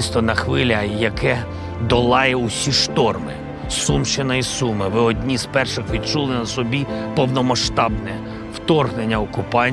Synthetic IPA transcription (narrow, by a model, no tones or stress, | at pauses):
st̪ɔnɐxʋɪlʲɐjɐkɛ | d̪ɔlˠɑjɛʊsʲiʃt̪ɔrmɪ̰ | sumt͡ʃenɔjisumɪʋɪɔdʲnʲizpɛrʃɪxʋʲid̪̚t͡ʃulˠɪnɐsɔbʲipɔwnɔmɐʃt̪ɑbnɛ | wt̪ɔrɣnenʲːɐɔkʊpɑnʲ